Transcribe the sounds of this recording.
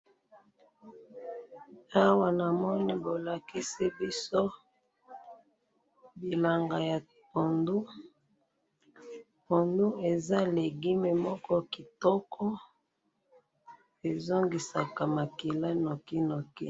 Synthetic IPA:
a˦wa˨na˨mɔ˦ni˦bo˨la˨ki˦si˦bi˦so˦ | bi˨la˨ŋɡa˨ja˨ | to˨ndu˦ | po˨ndu˦e˨za˦le˨ɡi˦me˨mɔ˦kɔ˦ki˨tɔ˦kʰɔ˦ | e˨zo˦ŋɡi˨sa˨ka˨ma˨ki˨la˦nɔ˨ki˦no˨ki˦

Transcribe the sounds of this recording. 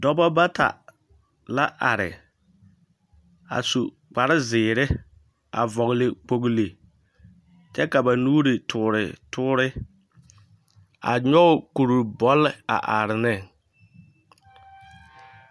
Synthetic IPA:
dɔ˦bɔ˦ba˦ta̰˨ | la˦ʔa˨ɾɪ̰˨ | a̰˨su˨ | k͡pa˨ɾɪ˦zɪː˨ɾɪ˦ | a̰˨vɔ˨ɣlɪ˨k͡po˨ɡli˨ | t͡ʃɛ˦ka˨ba˨nuː˦ɾɪ˨tʰʊː˨ɾɪ̰˨tʰʊː˦ɾɪ˦ | a̰˨ɲɔ˦˨ku˨ɾu˨bɔ˦lːɪ˦a̰˨ʔa˨ɾɪ˨nɪ˦

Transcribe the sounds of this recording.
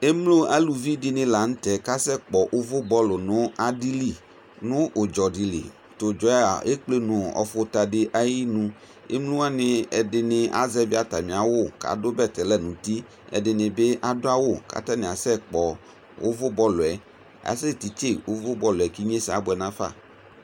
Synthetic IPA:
e˦mlo˦ʔa˦lu˨vi˦dɪ˦nɪ̃˦la˨ŋ̩̃˦t̪ɛ˨ka˦sɛ˦k͡pɔ˨ʔʊ˦vʊ˦bɔ˦lʊ˨nʊ̃˦a˨di˦li˨ | nʊ̃˦ʔo˨d͡ʒɔ˨di˨lḭ˨ | t̪o˨d͡ʒɔ˨˦a˨e˦k͡ple˦nʊ̃˨ɔ̰˨fʊ˦t̪a˨ɖɪ˦ʔa˦ji˦nũ˦ | ḛ˦mlu˦a˦nɪ˦ɛ˨dɪ˨nɪ̃˨ʔa̰˨zɛ˦vi˦a˨t̪a˨mĩ˨a˨wo˦˨ka̰˨dʊ˦bɛ˦˨t̪ɛ˨lɛ˦nũ˨t̪i˦ | ɛ̰˨dɪ˨nɪ̃˨be˦ʔa˨dʊ˦a˦wo˦˨ka̰˨t̪a˦nɪ̃˨a˨sɛ˦k͡pɔ˨ | wʔʊ̰˦vʊ˦bɔ˦lʊ˨ɛ˨ | a̰˨sɛ˦t̪i˨t͡ʃe˦wʊ˦vʊ˦bɔ˦lʊ˨ɛ˨ki˦ɲẽ˦sa˦bʊ˦˨ɛ˨nã˦fa̰˦˨

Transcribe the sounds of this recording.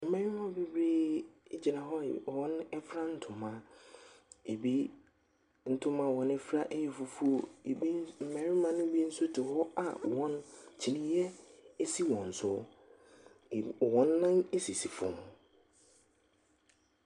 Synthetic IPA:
m̩˨mɛ̃˨ɾɪ˦mã˦be˦bɾiː˦d͡ʑi˨nã˨ɦɔ˦˨ɔ̃˦n˦ɛ˦fɾa˦n̩˦tʰʊ̃˨mːã˦ | e˨bi˦ | n̩˦tʰʊ̃˦mã˦˨wɔ̃˨˦nɛ˦fɾa˦ʔe˦jɛ˨fʊ˨fu˦o˨˦ | m̩˨mɛ̃˨ɾɪ̃˦mã˦nʊ̃˦bi˦n̩˦sʊ˦tʰɪ˨hɔ˦a̰˨wɔ̃˦nt͡ɕʰi˨nĩ˦jɛ˦e˦si˦wɔ̃˨n̩˨sʊ˦˨ | wɔ̃˦nːã˦ne˦si˨si˨fʊ̰̃˨m˨

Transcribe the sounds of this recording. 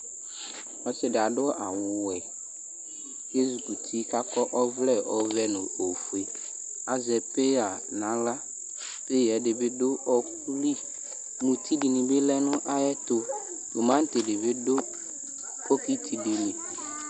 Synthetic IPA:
ɔ˨˦sɪ˦dɪ˨a˨dʊ˦ʔa˨wʊʊ˨wɛ˨ | je˦zu˨ku˨tʰi˦ka˦kɔ˦ʔɔ˦vlɛ˦˨ɔ˨vɛ˦nʊ̃˨o˨fu˨e˨ | a˨zɛ˨pe˦a˨nã˨˦la˦ | b̥ɪ˦jɛ˨dɪ˨bɪ˦dʊ˦ɔ˦ku˦li˦ | mũ˨t̪ʰi˦di˨nĩ˨bɪ˦lɛ˦nʊ̃˦ʔa˦jɛ˦t̪ʊ˨ | ʊ˨mã˦n̩˦tɪ˨dɪ˨bɪ˦dʊ˦ | ko˦ki˦tʰi˨di˨nĩ˨

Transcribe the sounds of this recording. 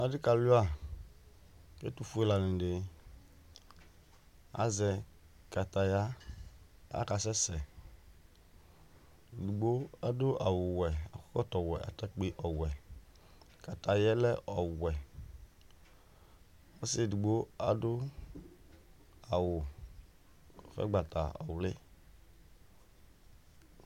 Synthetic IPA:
a˨dɪ˦ka˨lʊ˦a˦˨ | kḛ˦tu˨fʊ˦e˦la˨nɪ̃˨dɪ˨ | a̰˨zɛ˨ | ka˨ta˨ja˦ | a̰˦ka˨sɛ˦sɛ˨ | di˨ɡ͡bo˦a˦dʊ˦ʔa˨wʊ˨wɛ˨a̰˨kɔ˦kɔ˦tɔ˨wɛ˨ʔa̰˨ta˦k͡pe˨ʔɔ˨wɛ˨ | ka˨ta˨jɛ˦lɛ˦ʔɔ˨wɛ˨ | ɔ˦sɪ˦du˨ɡ͡bo˦a˨dʊ˦ | a˨wʊ˨ | ɔ˨fɛ̰˦ɡ͡ba˨ta̰˨ɔ̰˨wlɪ˦

